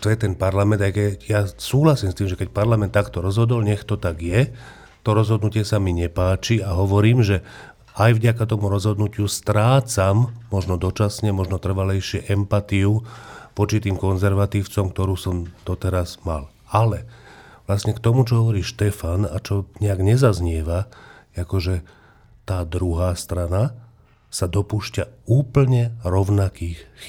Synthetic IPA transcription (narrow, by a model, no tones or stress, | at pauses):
t̪ɔjɛt̪ɛnpaɾlamɛnd̪ajkɛjasuːɦlasiːmst̪iːmʒɛkɛc̚paɾlamɛnt̪ːakt̪ɔɾɔzɦɔd̪ɔlɲɛxt̪ɔt̪aɡjɛ | t̪ɔɾɔzɦɔd̪nucɪɛsamiɲɛpaːt͡ʃiaɦɔʋɔɾiːmʒɛ | ajʋɟakat̪ɔmuɾɔzɦɔd̪nucɪust̪ɾaːt͡samːɔʒnɔd̪ɔt͡ʃasɲɛmɔʒnɔt̪r̩ʋalɛjʃɪɛʔɛmpat̪iupɔt͡ʃit̪iːmkɔnzɛɾʋat̪iːʊt͡sɔmkt̪ɔɾuːsɔmd̪̥ɔt̪ɛɾazmal | alɛ | ʋlastɲɛkt̪ɔmut͡ʃɔɦɔʋɔɾiːʃt̪ɛfana̰t͡ʃɔɲɛaɡɲɛzazɲɪɛʋaakɔʒɛ | t̪aːd̪ɾuɦaːst̪ɾana | sad̪ɔpuːʃcauːpl̩ɲɛɾɔʊnakiːxx